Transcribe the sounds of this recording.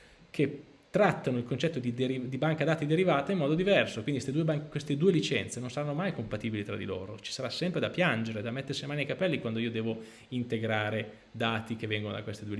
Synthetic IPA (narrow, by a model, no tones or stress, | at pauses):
kʰe | t̪ːɾat̪ːanoilkont͡ʃɛt̪ːod̪id̪eɾid̪ibaŋkad̪aːt̪id̪eɾivaːt̪aimːɔːd̪od̪ivɛrsokwind̪ist̪ed̪uːebaŋkwest̪ed̪uːelit͡ʃɛnt̪senonsaɾanːomajkompat̪iːbilit̪ɾa̰d̪ḭlo̰ːɾot͡ʃi̥saɾasːɛmpɾed̪apjand͡ʒeɾed̪amɛt̪ːersinemaːniajkapɛlːikwand̪oiːod̪ɛːvo | int̪eɡɾaːɾe | d̪aːt̪ik̟evːɛŋɡono̰d̪akwest̪ed̪uːe